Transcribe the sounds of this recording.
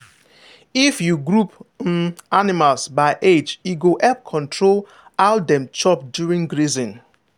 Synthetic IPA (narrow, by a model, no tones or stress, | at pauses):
ifjuɡɹup̩ | animalsbaɪʔed͡ʒiɡoʔɛp̚kʰɔ̃ntʰɹol | adɛ̃mt͡ʃɔp̚djuɹĩŋɡɹizĩn